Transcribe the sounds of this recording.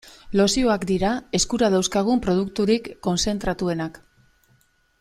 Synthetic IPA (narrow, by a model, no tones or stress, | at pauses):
lo̞sio̞akd̪iɾae̞skuɾað̞awskaɣ̞umpɾo̞ð̞ukt̪uɾikːo̞nse̞nt̪ɾat̪ue̞nak